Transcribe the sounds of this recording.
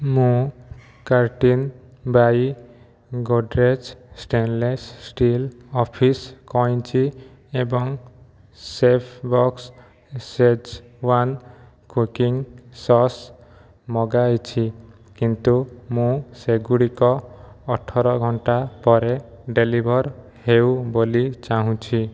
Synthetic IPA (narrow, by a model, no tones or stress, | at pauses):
mũ | kaɾʈin | baj | ɡoɖɾed͡ʒsʈenlessʈilɔpʰiskɔj̃t͡ʃʰi | ebɔŋ | sepʰbɔks | sed͡ʒ | wan | kukiŋsɔs | mɔɡajt͡ʃʰi | kint̪umũseɡuɽikɔːʈʰːɔɾɔɡʱɔɳʈapɔɾe | ɖelibʱɔɾ | hewbolit͡ʃaɦũt͡ʃʰi